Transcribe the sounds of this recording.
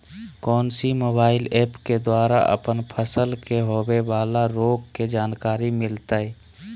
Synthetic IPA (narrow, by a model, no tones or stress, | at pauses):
kɔːnsimoːbaːɪlɛːpked̪waːɾa̰ʔə̰pənpʰəsəlkeɦoːweʋaːlaɾoːɡked͡ʒaːnkaːɾimɪlt̪ai